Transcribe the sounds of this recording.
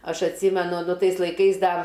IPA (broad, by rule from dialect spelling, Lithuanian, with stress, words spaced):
ˈɐʃ ɐtʲˈsʲiːmʲɛnʊ ˈnʊ ˈtɐɪs lˠɐɪˈkɐɪs ˈdɐ